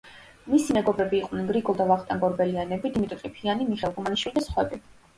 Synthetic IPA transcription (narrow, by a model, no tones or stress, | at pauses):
misimɛɡɔbɾɛbiːqʼnɛnɡɾiɡʼɔlˠd̪avaχt̪ʼaŋɡɔɾbɛlianɛbid̪imit̪ʼɔt̪ʼɾʼipʰianimiχɛlˠɡɔmaniʃwilid̪asχwɛbi